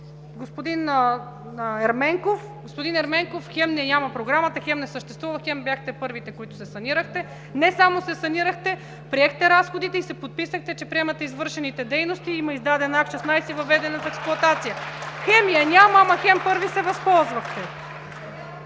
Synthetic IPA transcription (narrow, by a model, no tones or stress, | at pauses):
ɡospod̪in | ɛɾmɛŋkof | ɡospod̪inɛɾmɛŋkofxɛmnɛnʲamɐpɾoɡɾamət̪ɐxɛmnɛsəʃt̪ɛst̪vuvəxɛmbjaxt̪ɛpɤɾvit̪ɛkoit̪ʊ̥sɛsɐniɾəxt̪ɛ | nɛsamosɛsɐniɾəxt̪ɛ | pɾiɛxt̪ɛɾasxod̪it̪ɛisɛpot̪̚pisəxt̪ɛt͡ʃɛpɾiɛmɐt̪ɛizvɤɾʃɛnit̪ɛd̪ɛjnost̪iimɐizd̪ad̪ɛnakt͡ʃɛsnajsivɐvɛd̪ɛnɐt̪ɛksplˠʊɐt̪at̪sijəxɛmijənʲamamɐxɛmpɤɾvisɛvɐspɔlˠzvɐxt̪ɛ